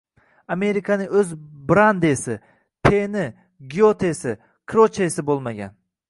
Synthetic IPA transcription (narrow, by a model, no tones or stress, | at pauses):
ame̞ɾɪkʰanɪŋɵzbɾand̪esɪ | tʰenɪ | ɡʲiot̪ʰesɪ | kʰɾot͡ʃʰesɪbolˠmaɡʲa̰n